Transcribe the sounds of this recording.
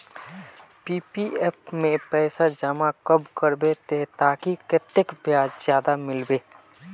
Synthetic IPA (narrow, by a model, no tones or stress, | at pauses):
piːpieːpmẽpɛːsad͡ʒəmakəbkəɾbet̪eɦt̪aːkiket̪ːɪkpjaːd͡ʒzjaːd̪amɪlbeː